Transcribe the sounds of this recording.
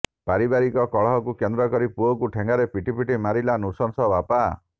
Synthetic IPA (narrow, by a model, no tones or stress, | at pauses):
paɾibaɾikɔkɔɭɔɦɔkukend̪ɾɔkɔɾipuɔkuʈʰeŋɡaɾepiʈipiʈimaɾilanusɔnsɔbapa